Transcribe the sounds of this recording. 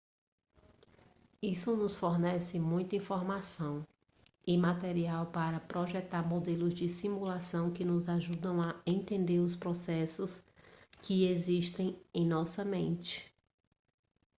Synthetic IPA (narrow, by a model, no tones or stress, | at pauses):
isʊnʊsfoɾnɛsɪmũj̃t̪ĩfoɾmasɐ̃w̃ | ɪmat̪eɾiawpaɾɐpɾoʒɛt̪aɾmod̪elʊzd͡ʒɪsimulasɐ̃w̃kɪnʊzaʒud̪ɐ̃w̃aẽnt̪ẽnd̪eɾʊspɾɔsɛsʊskɪeziʃt̪ẽj̃ẽj̃nɔsɐmẽnt͡ʃɪ̥